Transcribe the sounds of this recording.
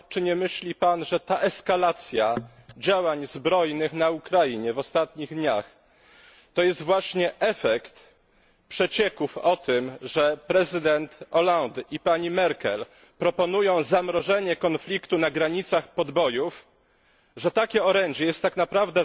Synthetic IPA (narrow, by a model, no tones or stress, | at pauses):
t͡ʂɘɲɛmɘɕlʲipanʐɛt̪aʔɛskalat̪sʲja | d͡ʑawaɲzbɾɔjnɘxnaukɾajiɲɛvɔst̪at̪ɲiɣd̪ɲax | t̪ɔjɛst̪vwaɕɲɛʔɛfɛkt̪ | pʂɛt͡ɕɛkufɔt̪ɘmʐɛpɾɛzɘd̪ɛnt̪ɔland̪ʔipaɲimɛɾkɛ̰l | pɾɔpɔnujɔ̃w̃zamɾɔʐɛɲɛkɔnflʲikt̪unaɡɾaɲit̪saxpɔd̪bɔjuf | ʐɛt̪akʲɛɔɾɛɲd͡ʑɛjɛst̪ːaknapɾavd̪ɛ